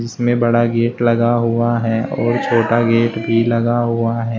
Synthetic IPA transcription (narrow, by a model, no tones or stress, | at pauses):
d͡ʒɪsmẽbɐɽaɡeːʈlɐɡaɦuaɦɛɔːɾt͡ʃʰoːʈaɡeːʈbʱilɐɡaɦuaɦɛː